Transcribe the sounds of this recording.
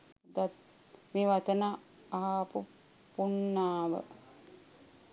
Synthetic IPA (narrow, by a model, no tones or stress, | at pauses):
d̪at̪ | meːʋat̪əna | aɦapu | punːaːʋə̰